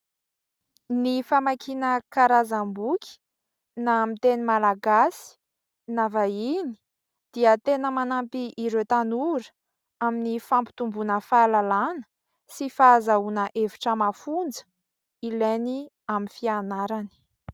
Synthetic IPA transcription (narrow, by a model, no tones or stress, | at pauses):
nifamakinəkaɾazambukʲi̥ | namit̪enimalaɡasi̥ | navaini̥ | d̪̥iət̪enəmanampiʔiɾewt̪anuɾ | aminifampi̥t̪umbunəfalalanə̥ | sifazaunəʔeviʈ͡ʂəmafund͡zə̥ | ileni | aminfianaɾani̥